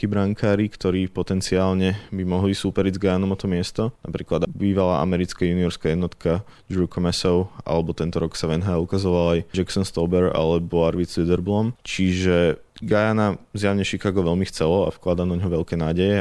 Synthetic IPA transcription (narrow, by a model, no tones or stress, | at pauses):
kibɾaŋkʰaːɾikt̪ɔɾiːpɔt̪ɛnt͡siaːlɲɛbimɔɦlisupɛɾiɟzɡajanɔmɔt̪ɔmɪɛst̪ɔnna̰pɾiːklad̪biːʋalaːʔa̰mɛɾit͡skajuniɔɾskajɛd̪nɔt̪kʰa | d͡ʒɾukʰɔmɛsɔʊʔa̰lɛbɔt̪ɛnt̪ɔɾɔksaʋɛnɦaaukazɔʋalajd͡ʒɛksɔnst̪ɔbɛɾa̰lɛbɔaɾʋilid̪ɛɾblɔmt͡ʃiʒɛ | ɡajanazjaʋɲɛʃikaːɡɔʋɛlmixt͡sɛlɔa̰fklad̪anɔɲɦɔʋɛʎkɛːnaːɟɛjɛ